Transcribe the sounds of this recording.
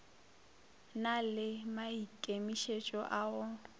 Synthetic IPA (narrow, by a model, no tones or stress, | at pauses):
nalɪmaikʼemiʃet͡ʃʼɔʔaːʊ